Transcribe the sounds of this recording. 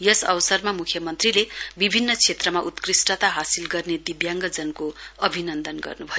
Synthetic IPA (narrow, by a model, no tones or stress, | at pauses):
jʌsʌwsʌrmamukʰjʌmʌnt̪rilebibʱinːʌt͡sʰet̪rʌmaʔut̪krisʈʌt̪aɦasilɡʌrned̪ibjaŋɡʌd͡zʌnkoʌbʱinʌnd̪ʌnɡʌ̰rnubʱʌjo